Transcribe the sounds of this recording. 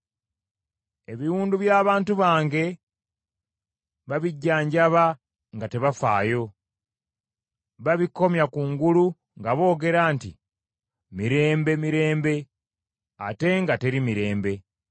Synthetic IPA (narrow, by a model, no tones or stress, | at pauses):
e̞βiɾuːnduβjaːβaːntuβaːŋɡe̞ | βaβiɟːaːɲɟaβa | ŋɡate̞βafa̰ːjo̞ | βaβikːo̞mjakuːŋɡulu | ŋɡaβo̞ːɡe̞ɾaːnti | miɾe̞ːmbe̞miɾe̞ːmbe̞ | a̰te̞ŋɡate̞ɾimiɾe̞ːmbe̞